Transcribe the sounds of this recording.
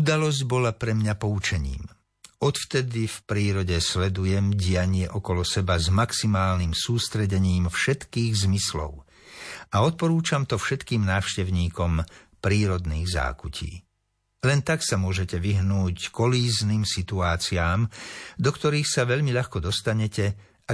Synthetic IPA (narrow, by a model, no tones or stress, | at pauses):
ud̪alɔzɟbɔlapɾɛmɲapɔut͡ʃɛɲḭːm | ɔt̪ft̪ɛd̪ifpɾiːɾɔɟɛslɛd̪ujɛmɟɪjaɲɪɛʔɔkɔlɔsɛbazmaksimaːlnimsuːst̪ɾɛɟɛɲiːmfʃɛt̪kiːɣzmislɔ̰ʊ | ʔaɔt̪̚pɔɾuːt͡ʃamt̪ɔfʃɛt̪kiːmnaːʊʃcɛʊɲiːkɔmpɾiːɾɔd̪niːɣza̰ːkucʰḭː | lɛnt̪aksamʊɔʒɛcɛʋiɦnuːckɔliːzniːmsit̪uaːt͡siaːmd̪ɔkt̪ɔɾiːxsaʋɛʎmiʎaxkɔd̪ɔst̪aɲɛcɛ | a